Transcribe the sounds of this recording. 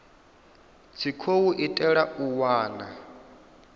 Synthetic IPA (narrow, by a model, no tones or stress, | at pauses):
t͡sʰikʰowuʔitʼɛɺauwaːna